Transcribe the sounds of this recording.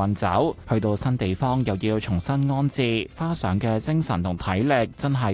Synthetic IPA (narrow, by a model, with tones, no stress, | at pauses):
ɐ˨˧nt͡sɐ̰˨˥whɵ˧ɥt̪o˧wsɐ˥nt̪e˨jfɔː˥ŋjɐ˨˩wjiː˧wt͡sʰʊ˨˩ŋsɐ˥nŋɔː˥nt͡siː˨˧faː˥sœː˨˥ŋkɛː˧t͡sɪ˥ŋsɐ˨˩nt̪ʰʊ˨˩ŋt̪ʰɐ˨˥jlɪ˨k̚t͡sɐ˥nɦɐ˨